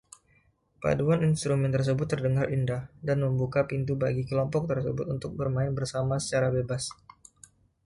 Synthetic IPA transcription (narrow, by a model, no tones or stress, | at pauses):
pa̰duaninst̪ɾumɛnt̪ərs̬əbʊt̪ːərdəŋarʔindahdanməmbukapint̪uba̰ɡikəlɔmpɔk̚t̪ərsəbʊt̪unt̪ʊk̚bərmaɪnbərsamasə̥t͡ʃaɾabebas